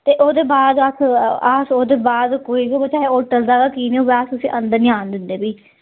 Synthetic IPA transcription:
t̪eːʔoːd̪eːbaːd̪əsʰasoːd̪eːbaːd̪koːiːɡibət͡ʃaːeoːʈəld̪aːɡaːkiːneːoːbaːsʊsĩːʔənd̪əɾnɪaːnd̪ɪnd̪eːbiː

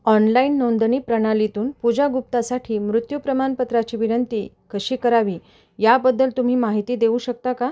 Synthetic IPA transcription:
ɔnlainːond̪ɳiːpɾəɽ̃alit̪uːnpud͡ʑaɡup̚t̪asaʈʰiːmɾut̪jupɾəmanpət̪ɾat͡ɕiːʋinənt̪iː | kəɕiːkəɾaʋiː | jabəd̪ːəlt̪um̤iːmaɦit̪iːd̪eũɕək̚t̪aka

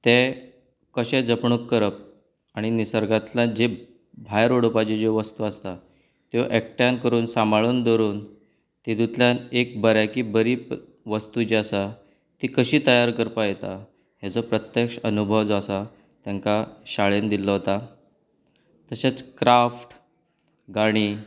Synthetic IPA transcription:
t̪e | kəɕed͡zəpɳukːəɾəp̚ | aɽ̃inisəɾɡat̪lad͡ʑe | bʱajɾoɽopad͡ʑed͡ʑeʋəst̪uast̪a | t̪ḛʔɛk̚ʈjãnkəɾuːnsamaɭuːnd̪oɾuːn | t̪id̪ut̪ljanek̚bəɾjakibəɾiːp | ʋəst̪ud͡ʑeasa | t̪ikəɕiːt̪əjaɾkəɾpajet̪a | ɦjat͡sɔpɾət̪jəkʂənubʱəʋd͡zasa | t̪jaŋkaɕaɭend̪iləɦot̪a | t̪əɕat͡skɾafʈ | ɡaɽ̃iː

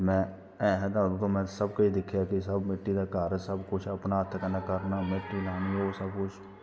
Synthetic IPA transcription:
mɛ̃ː | ɛːɦə̃t̪aʊnkomɛ̃səbkaid̪ɪkʰjakisəbmɪʈːid̪akaːɾəsəbkʊt͡ʃʰɐpnaɦət̪ʰːkənakəɾnamɪʈːilaːniɦosəb̚kʊt͡ʃʰ

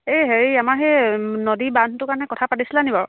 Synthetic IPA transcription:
eɦeɹiamaɹɦenodiban̤tʊkaɹɔnɛkɔtʰapatisilanibaɹ

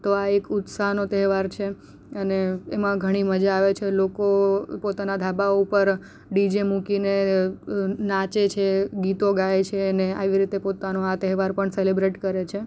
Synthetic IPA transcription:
t̪oaekʊt̪saɦnot̪ɛɦʋaɾt͡ʃʰe | əneemãɡʱəɽ̃iməd͡ʒaːʋet͡ʃʰelokopot̪anad̪ʱabaoupəɾ | ɖid͡ʒemũkine | nãt͡ʃet͡ʃʰeɡit̪oɡajet͡ʃʰeənea̰ʋiɾit̪epot̪anoat̪əɦʋaɾpəɳselibɾeʈkəɾet͡ʃʰe

